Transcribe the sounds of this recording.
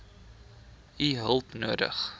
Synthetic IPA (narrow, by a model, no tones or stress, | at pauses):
iɦəlˠpnuədə̰χ